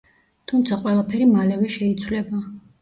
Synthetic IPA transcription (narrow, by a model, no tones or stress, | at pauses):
t̪ʰumt̪sʰaqʼwɛlˠapʰɛɾimalɛvɛʃɛit̪sʰwlɛba